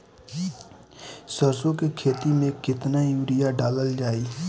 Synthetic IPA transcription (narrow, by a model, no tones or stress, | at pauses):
səɾsõkekʰeːt̪imẽkɪt̪najuːɾɪjaɖaːləld͡ʒaːiː